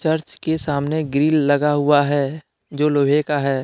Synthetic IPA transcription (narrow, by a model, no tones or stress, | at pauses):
t͡ʃɐɾt͡ʃkesaːmneɡɾiːlːɐɡaɦʊaɦɛː | d͡ʒoːlobʱekaɦɛː